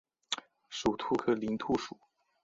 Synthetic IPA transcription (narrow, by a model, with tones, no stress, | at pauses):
ʂu˨˩t̪ʰu˥˧kʰɤ˥˩li˧˥nt̪ʰu˥˧ʂu˨˩˦